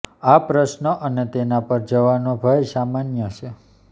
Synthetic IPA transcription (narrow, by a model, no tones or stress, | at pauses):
apɾəʃnəʔənet̪enapəɾd͡ʒəʋanobʱajsamanjət͡ʃʰe